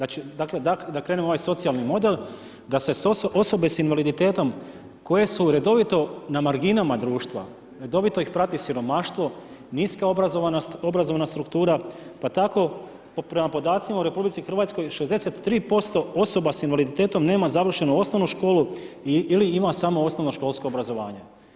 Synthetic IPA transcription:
d̪at͡ʃid̪akle̞d̪akd̪akɾe̞ːnemo̞ʋajso̞t̪sialˠnimo̞d̪e̞l | d̪ase̞sosʔo̞so̞be̞sinʋalid̪it̪e̞ːt̪o̞m | ko̞je̞suɾe̞d̪o̞ʋit̪o̞namaɾɡinamad̪ɾuːʃt̪ʋa̰ | ɾe̞d̪o̞ʋit̪o̞ixpɾat̪isiɾo̞maʃt̪ʋo̞ | niːskaoazonao̞bɾazo̞ʋnast̪ɾukt̪uːɾapat̪ako̞ | pɾe̞mapo̞d̪aːt̪simauɾe̞publit̪ixr̩ʋat̪sko̞jʃezd̪e̞se̞t̪ːɾiːpo̞st̪o̞o̞so̞basinʋalid̪it̪e̞ːt̪o̞mneːmazaʋr̩ʃe̞nuo̞snoʋnuʃko̞ːlu | iiliimasamo̞o̞sno̞ʋno̞ʃko̞lˠsko̞ːbɾazo̞ʋaːɲe̞

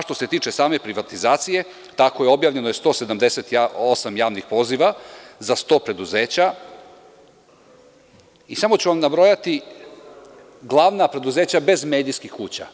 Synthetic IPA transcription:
ʃt̪o̞se̞t̪iːt͡ʃesaːme̞pɾiʋat̪izaːt̪sije̞ | t̪ako̞jeo̞bjaːvʎe̞nojest̪o̞ːse̞d̪amd̪e̞se̞t̪aosamjaːʋnixpo̞ːziʋazast̪o̞pɾe̞d̪uze̞ːt͡ɕa | isamo̞t͡ɕuʋamnabɾo̞jat̪i | ɡlˠaːʋnapɾe̞d̪uzeːt͡ɕabe̞zme̞ːd̪iːskixkuːt͡ɕa̰

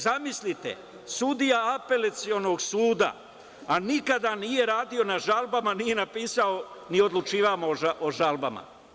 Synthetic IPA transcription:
zamislit̪ḛ | sud̪ijaape̞lat̪sio̞noɡsuːd̪a̰ | anikad̪anije̞ɾaːd̪io̞naʒalˠbamanije̞napiːsaonio̞d̪lˠut͡ʃiːʋamoaʔoʒalˠbama̰

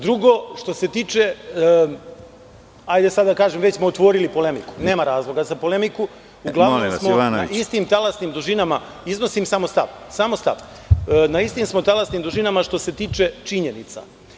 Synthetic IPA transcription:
d̪ɾuɡo̞ʃt̪o̞se̞t̪iːt͡ʂe | ajd̪esad̪ːakaːʒemʋet͡ɕsmo̞ot̪ʋo̞ːɾilipo̞le̞miku̥ne̞ːmaɾaːzlˠo̞ɡazapo̞lemiku | uɡlˠaʋnomssmonaist̪imt̪alasnimd̪uʒinama | izno̞simsamost̪aʋsamo̞st̪a̰ʋ | naist̪imsmo̞t̪alasniːmd̪uʒinamaʃt̪o̞se̞t̪iːt͡ʃe̞t͡ʃiɲenit̪sa̰

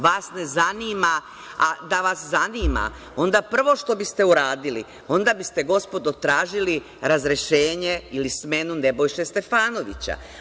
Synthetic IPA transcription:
ʋaːsne̞zaniːma | ad̪aʋaszaniːma̰ | o̞nd̪apr̩ʋo̞ʃt̪o̞bist̪e̞uɾaːd̪ilḭ | o̞nd̪abist̪e̞ɡo̞spo̞d̪ot̪ɾaːʒili | ɾazɾeʃeːɲe̞ilisme̞nune̞bo̞jʃest̪e̞faːno̞ʋḭt͡ɕa̰

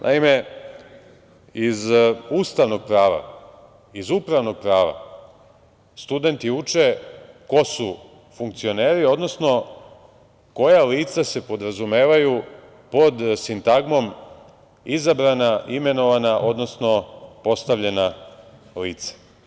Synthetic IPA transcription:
nʔa̰ime̞ | izuːst̪aʋno̞ɡ̚pɾaːʋa̰ | izupɾaʋno̞ɡ̥̚pɾaːʋa̰ | st̪ud̪e̞nt̪iut͡ʃeko̞su | fuŋkt̪sio̞ne̞ːɾio̞d̪no̞sno̞ | ko̞jaliːt̪sase̞po̞d̪ɾazume̞ːʋaju | po̞d̪sint̪aɡmo̞m | izabɾanaʔime̞no̞ʋanaʔo̞d̪no̞sno̞po̞st̪aʋʎe̞na | liːt̪sḁ

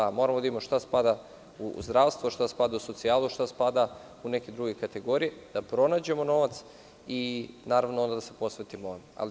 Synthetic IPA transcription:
mo̞ɾamod̪imoʃt̪aspad̪a | uzd̪ɾaʋst̪ʋoʃt̪aspad̪auso̞t̪siaːluʃt̪aspad̪a | uneked̪ɾuɡekat̪e̞ɡo̞ɾijed̪̥apɾo̞naːd͡ʑe̞mo̞no̞ʋat̪s | inaːɾaʋnoond̪ad̪ase̞po̞sʋet̪imoona̰l

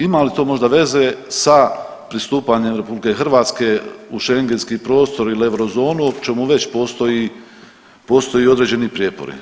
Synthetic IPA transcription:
imalit̪o̞ːmo̞ʒd̪aʋe̞ze̞sa | pɾist̪uːpaɲe̞mɾe̞publike̞xr̩ʋaːt̪ske̞uʃe̞ŋɡe̞nskiːpɾo̞ːst̪o̞ɾileʋɾozo̞ːnuot͡ʃe̞muʋe̞t͡ɕpo̞ːst̪o̞ji | po̞ːst̪o̞jiod̪ɾe̞ːd͡ʑe̞nipɾjepo̞̰ɾḭ

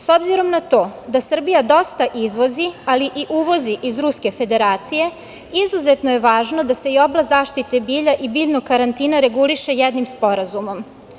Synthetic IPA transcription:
so̞bziɾo̞mnat̪o̞ːd̪asr̩bijad̪o̞st̪aʔizʋo̞zialiʔiʔuʋo̞ziʔizɾuske̞fe̞d̪e̞ɾaːt̪sije̞ | izuzet̪nojeʋaːʒno̞d̪ase̞io̞blˠazaːʃt̪it̪e̞biːʎaʔibiʎnoɡkaɾant̪iːnaɾe̞ɡuliʃe̞jɛd̪nimspo̞ɾazumo̞m

